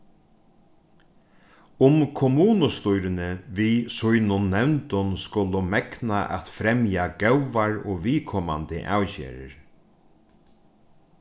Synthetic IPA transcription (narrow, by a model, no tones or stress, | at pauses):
ʊmkʰɔmuːnʊst̪ʊjɾɪnɪʋisʊjnʊnːɛwnt̪ʊnskʊlʊmɛknaʔɛ̰t̪fɾɛmjaɡ̥ɛwʋaɹoːʋiːkʰɔma̰nt̪ɪ̰ʔa̰ːwcḛːɾɪ̰ɾ